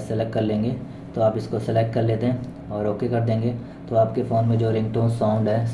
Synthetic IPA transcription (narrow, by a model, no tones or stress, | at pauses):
sɛlɛkʈ̚kɐɾlẽːŋɡeː | t̪oaːpɪskosɛlek̚ʈ̚kɐɾleːt̪eɦɛ̃ | ɔːɾoːkekɐɾd̪ẽːŋɡeː | t̪oaːpkefoːnmẽd͡ʒoːɾɪ̃ŋkʈoːnsaːʊ̃ɳɖɦɛː